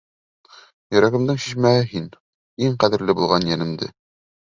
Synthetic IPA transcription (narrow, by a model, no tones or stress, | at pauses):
jɵ̆ɾæɡɘ̆md̪ɘɴɕiʃmæɦɘɦin | iɴqæðɘ̆ɾlɘbulˠʁɑnjænɘ̆md̪ɘ̰